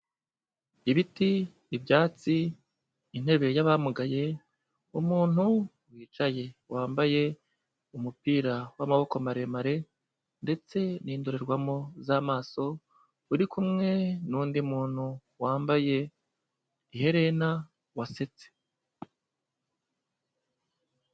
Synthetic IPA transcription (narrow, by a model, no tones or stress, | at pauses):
iβitiː | bjaːt͡si | in̥he̞βe̞jaβamuɡaje̞ | umuːn̥hu | wiːt͡ʃaje̞waːmbaje̞ | umupiːɾawamaβo̞komaɾe̞maɾe̞ | nde̞t͡se̞niːndoɾe̞ɾɡwamo̞zaːmaːso̞ | uɾikumŋe̞nuːndimuːn̥hu | waːmbaje̞ | ihe̞ɾe̞na | wase̞t͡se̥